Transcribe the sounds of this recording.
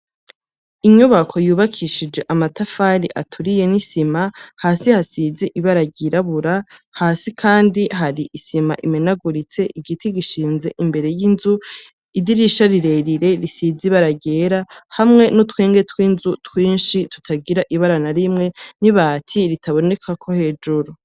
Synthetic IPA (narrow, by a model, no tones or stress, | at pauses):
iɲuβakʰo̞juːβakʰiʃid͡ʒɡe̞ʔamatafaɾiʔatʰuɾijenisimahaːsihasiziʔiβaɾaɟiɾaβuɾahaːsikʰaːndihaɾiʔisima̰ʔimenaɡuɾit͡se̞ʔiɡitʰiɡiʃiːnze̞ʔimbe̞ɾe̞jinzu | idiɾiʃaɾiɾe̞ɾiɾe̞ɾisiziβaɾaɟe̞ɾahamŋe̞notweːŋɡe̞twiːnzutwiːnʃitu̥tʰaɡiɾaʔiβaɾanaɾimŋe̞niβaːtʰiɾitʰaβo̞ne̞kʰakʰo̞he̞ːd͡ʒuɾu